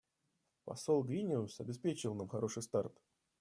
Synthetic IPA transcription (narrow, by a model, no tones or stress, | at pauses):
pɐ̰solˠɡɾʲinʲɪʊsɐbʲɪspʲet͡ɕɪvlˠnamxɐɾo̞ʂɨjst̪art̪